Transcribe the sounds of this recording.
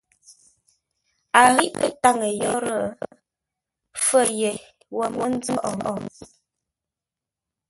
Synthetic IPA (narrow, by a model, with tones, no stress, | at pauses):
a˨ɣi˦ʔtə˦ʔta˦ŋə˨jɔ˦ɾə˦˨˦ | fə˦˨je˨ | wə˨mwə˦n˦d͡zə˦ʔɔ˨ʔɔ̰˦˨